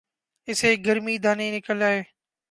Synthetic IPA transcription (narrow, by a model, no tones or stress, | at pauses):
ɪseːɡəɾmiːd̪ʱaːneːnɪkəlaːɦeː